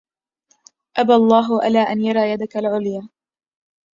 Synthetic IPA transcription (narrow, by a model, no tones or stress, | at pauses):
ʔabalˤːɑːɦʊʔa̰laːʔanjɑɾˤɑːjad̪akalʕʊljaː